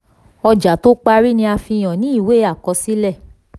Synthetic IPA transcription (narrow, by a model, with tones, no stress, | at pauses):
ɔ˧d͡ʒa˨to˦k͡pa˧ɾi˦nĩ˧a˧fĩ˧j̃ɔ̃˨nĩ˦i˦˨we˨˦a˦˨kɔ˧˦si˦lɛ˦˨